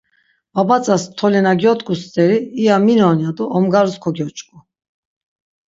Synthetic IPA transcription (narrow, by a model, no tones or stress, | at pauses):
vabat͡sʼast̪ʰɔlɛnaɡjɔt̪ʼkʼust͡sʼɛɾiːaminɔnjad̪uɔmɡaɾuskʰɔɡjɔt͡ʃʼkʼu